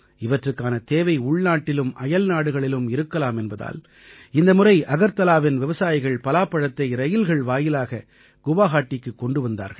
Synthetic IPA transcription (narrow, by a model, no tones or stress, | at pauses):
ɪʋɐʈrɯkːaːnɐt̪eːʋɐɪʊɭnaːʈːɪlɯmʔɐjɐlnaːɽɯɣɐɭɪlɯmɪɾɯkːɐlaːmɛnbɐða̰ːl | ɪnd̪ɐmʊrɐɪʔɐɣɐɾt̪ɐlaːʋɪnʋɪʋɐsaːjɪɣɐɭpɐlaːpːɐɽɐt̪ːɐɪɾɐjɪlɣɐɭʋaːjɪlaːɣɐ | ɡ̥ʊʋaːɣaːʈːɪkːɯkːɔɳɖɯʋɐnd̪a̰ːɾɣɐɭ